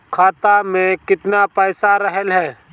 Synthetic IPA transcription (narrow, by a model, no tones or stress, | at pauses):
kʰaːt̪amẽkɪt̪napɛːsaɾəɦəlɦɛː